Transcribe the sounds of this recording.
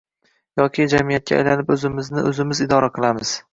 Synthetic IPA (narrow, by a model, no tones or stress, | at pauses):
jɒkʲʰɪd͡ʒamijat̪̚kʰʲa̰ːjlanɪpɵzɪmɪznɪʔɵzɪmɪzɪd̪ɒɾaqʰɨlˠamɪz̥